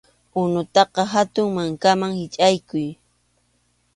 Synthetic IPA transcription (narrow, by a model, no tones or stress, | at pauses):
ʊnʊt̪ɑqɑɦat̪ʊŋmaŋkamaŋhɪt͡ʃʼajkʊj